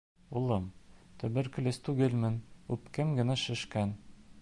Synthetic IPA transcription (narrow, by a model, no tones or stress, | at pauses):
ulˠɤmt̪ɵ̆bɘɾkɘ̆lʲɘst̪ʉɡɘ̆lmɘ̆nʉpkɘmɡɘ̆næʃɘ̆ʃkæn